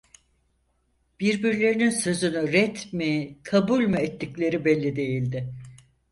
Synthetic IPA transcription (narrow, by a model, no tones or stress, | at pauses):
b̥iɾbiɾlʲe̞ɾininsø̞zynyɾɛt̪mikʰabulʲmɯɛt̪ːiclʲe̞ɾibɛlʲːid̪e̞jilʲd̪ɪ